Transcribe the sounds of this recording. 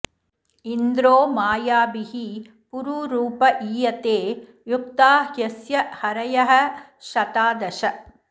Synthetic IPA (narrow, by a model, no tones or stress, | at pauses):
ind̪ɾoːmaːjaːbihi | puɾuːɾuːpɐʔiːjɐt̪eː | juk̚t̪aːɦjɐsjɐhɐɾɐjɐɦɐ̆ | ʃɐt̪aːd̪ɐʃɐ